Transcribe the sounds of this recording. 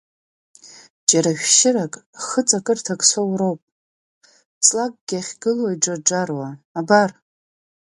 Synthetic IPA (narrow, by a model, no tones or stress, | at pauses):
d͡ʒaɾaʃᶣʃɪrakʼχət͡sʼakʼɨrtʰakʼsowrowpʼ | t͡sʼlak̚ʼɡʲaχʲɡɨlwajʈ͡ʂad͡ʒarwaːbar